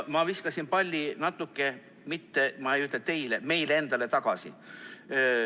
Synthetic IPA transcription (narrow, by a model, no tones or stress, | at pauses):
mɑviskɑsʲinpɑlʲːinɑt̪ːˑukːe̞ | mit̪ːemɑejyt̪let̪e̞jleme̞jlee̞nd̪̥ɑle̞t̪ɑɡ̥ɑsḭ